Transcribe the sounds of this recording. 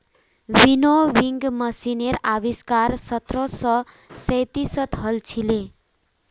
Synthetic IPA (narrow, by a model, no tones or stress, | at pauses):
winowiŋɡmʌsineɾabiskarsʌt̪rʌsʌ | sʌjt̪isʌt̪ɦʌlt͡sʰile